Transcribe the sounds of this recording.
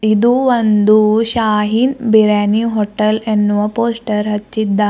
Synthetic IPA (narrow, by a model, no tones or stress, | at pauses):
id̪uʋɐnd̪uɕaːɦinbiɾaniɦoʈɐlenʋɐpoːsʈɐɾɦɐt͡ʃːid̪ːa